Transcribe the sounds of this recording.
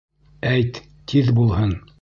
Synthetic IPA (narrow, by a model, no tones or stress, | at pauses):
æjt̪ː | iðbulˠhɤn